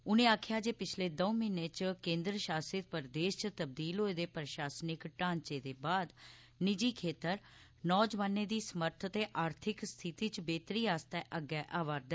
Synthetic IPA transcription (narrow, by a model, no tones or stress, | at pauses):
ʊnẽːaːkʰjaːd͡ʒeːpɪt͡ʃʰleːd̪oːmɪneːt͡ʃkẽːnd̪ɾəʃaːsɪt̪̚pəɾd̪eːʃt͡ʃt̪əb̚d̪iːlɦoːeːd̪eːpɾəʃaːsnɪkʈãːɲt͡ʃeːd̪eːbaːd̪ | nɪd͡ʒiːkʰeːt̪əɾ | nɔːd͡ʒʋaːneːd̪iːsəməɾt̪ʰt̪eːʔaːɾt̪ʰɪkst̪ʰɪt̪iːt͡ʃbeːt̪ɾiːaːst̪ɛːʔəɡːɛːʔaːʋaːɾd̪ɛː